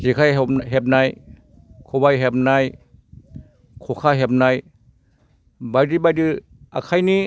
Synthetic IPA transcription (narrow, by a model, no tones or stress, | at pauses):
zikʰajp̚ɦep̚naj | kʰobajɦep̚naj | kʰokʰaɦep̚naj | bajdɯbajdɯ | ʔakʰajni